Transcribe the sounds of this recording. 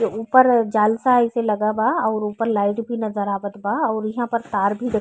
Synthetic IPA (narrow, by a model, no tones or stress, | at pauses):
euːpəɾd͡ʒaːlsaɪselɐɡabaɔːɾuːpəɾlaːɪʈbʱinɐzəɾaːʋət̪baɔːɾjɐɦãpɐɾt̪aːɾbʱid̪e